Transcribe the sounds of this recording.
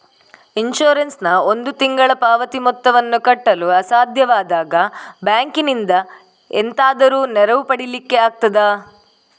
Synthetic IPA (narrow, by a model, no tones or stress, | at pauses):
inʃoːɾensnɐo̞nd̪ut̪iŋɡɐɭɐpaːʋɐt̪imɔt̪ːɐʋɐnːukɐʈːɐluɐsaːd̪ʱjɐʋaːd̪aːɡɐbjaːŋkinind̪ɐ | ḛnt̪aːd̪ɐɾuːnɛɾɐʋupɐɽilikːe̞aːk̚t̪ɐd̪ɐ